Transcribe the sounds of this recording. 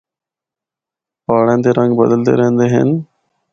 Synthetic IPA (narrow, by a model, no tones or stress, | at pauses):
paːɽẽːnd̪eːɾə̃ŋɡbəd̪əlt̪ḛːɾəɦə̃nd̪eːɦə̰n